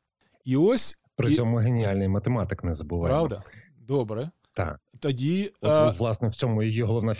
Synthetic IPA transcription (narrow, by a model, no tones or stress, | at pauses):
iɔsʲ | pɾʲɪɔmʊɦenʲialʲnɪjmɐt̪emɑt̪ɪknɛzɐbʊʋɑ̰ɾɑwd̪ɐ | d̪oɔbɾɛ | t̪ɑ̰t̪ɐdʲiʋlˠɑsnɛwt͡sʲɔmʊjɔjiɦɔlˠɔʋnɑfʲ